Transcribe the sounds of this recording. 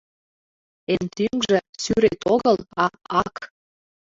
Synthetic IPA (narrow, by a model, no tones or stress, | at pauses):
ent̪yŋʒĕsyɾet̪oɣəlɑɑk